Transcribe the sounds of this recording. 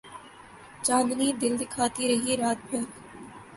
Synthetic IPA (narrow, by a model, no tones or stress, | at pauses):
t͡ʃãːnd̪niːd̪ɪld̪ɪkʰaːt̪iɾɐɦiɾaːt̪̚bʱɐk̪